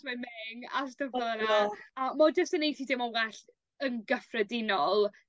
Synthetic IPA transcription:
mamɛŋa̰stəvənaamɔd͡ʒəstənejtʰidɪmɔwɛɬ | ənɡəfrədɪnɔlˠ

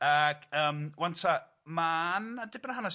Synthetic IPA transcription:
aɡ̥əːmwantʰa | manədɪbnəhanas

